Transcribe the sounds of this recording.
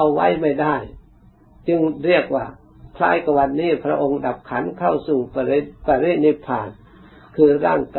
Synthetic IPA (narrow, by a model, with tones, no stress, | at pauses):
a˧wːa˦˥jma˥˩jdaː˥˩j | t͡ɕɯ˧ŋɾi˥˩ək̚waː˧˩ | kʰla̰ː˧˥˩jka˧˩wa˧nːiː˦˥˩pʰɾa˦˧˥ʔo˧ŋda˨˩p̚kʰa˩˦˥nkʰa˥˩wsuː˨˩ppaː˧ɾiː˥˩t̪̚ni˧˥˩pʰaː˨˩n | kʰɯː˧ɾaː˥˩ŋkː